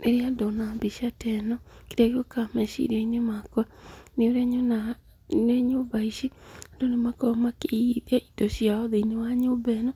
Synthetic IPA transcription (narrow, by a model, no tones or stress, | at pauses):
nʔeɾiadɔnambiʃatɛnɔkeɾaɡokamɛʃḭɾainemakwaneoɾɛɲona | neɲobaiʃiandonemakɔmakeiðɛʔidoʃiaɔðeinewaɲobɛna